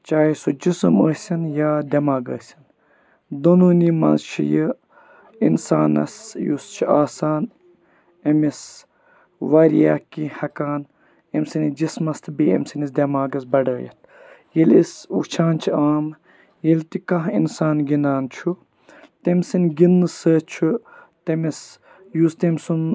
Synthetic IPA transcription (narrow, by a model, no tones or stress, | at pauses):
t͡ʃaːjisod͡ʒisɨmə̰ːsʲɐnjaːd̪ʲɐmaːɡə̰ːsʲin | d̪onuːnima̰ːzt͡ʃʰḭjə | ḭnsaːnɐ̰sjust͡ʃʰiaːsaːn | ɐmis | ʋaːɾija̰ːkihɐkaːn | emsinid͡ʒismɐst̪ʰbiḛmsinisd̪ʲɐmaːɡɐsbɐɖə̰ːjɐ̰t̪ʰ | jelisṵt͡ʃʰaːnt͡ʃʰiaːm | jelt̪ikɐɦinsaːnɡinaːnt͡ʃʰu | t̪emsinɡinːɨsət͡ʃʰut̪emis | just̪emsun